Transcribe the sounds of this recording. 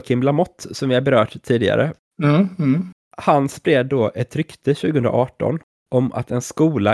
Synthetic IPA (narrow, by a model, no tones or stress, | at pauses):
kʰɪmlamɔt̪ːsɔmvɪhaɾbɛɾœːʈ̪ʰːiːd̪ɪɡa̰ɾə | hanspɾeːd̪ːoːʔɛt̪ɾʏkt̪ʰəɕʉ̟ːɡəhɵnd̪ɾa̰ʔɑːʈɔ̰n | ʔɔma̰t̪ʰɛnskuːla